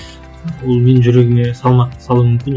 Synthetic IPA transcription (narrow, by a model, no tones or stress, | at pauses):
bulˠmennd͡ʒyɾeɡʲiŋesɑlˠmɑsɑlˠuːmymkʲyn